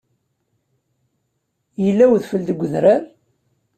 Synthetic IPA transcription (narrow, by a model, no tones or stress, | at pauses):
jəlːæwðfəld̪əɡʷəðɾaɾ